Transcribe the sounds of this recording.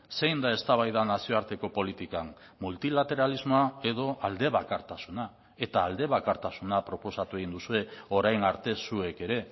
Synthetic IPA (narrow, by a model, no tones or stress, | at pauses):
se̞jnd̪ae̞st̪aβ̞ajðanasio̞aɾt̪e̞ko̞po̞lit̪ikam | mult̪ilat̪e̞ɾalizmo̞ae̞ðo̞ʔald̪e̞βakaɾt̪asuna | e̞t̪aːld̪e̞βakaɾt̪asunapɾo̞po̞sat̪ue̞ɣind̪usue̞o̞ɾajnaɾt̪e̞sue̞ke̞ɾe̞